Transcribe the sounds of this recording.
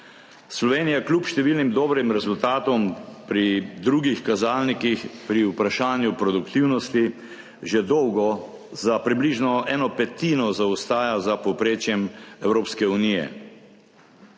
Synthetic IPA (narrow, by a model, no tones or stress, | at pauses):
slɔʋeːnijaklʲuːpʃt̪ɛʋiːlnimd̪ɔːbɾimɾɛzult̪aːt̪ɔmpɾid̪ɾuːɡixkazaːlnikixpɾiupɾaʃaːnjupɾɔd̪ukt̪iwnɔst̪i | ʒɛd̪ɔwɡɔ | zapɾibliʒnɔʔɛːnɔpɛt̪iːnɔzaust̪aːjazapɔpɾeːt͡ʃjɛmɛwɾoːpskɛuniːjɛ̰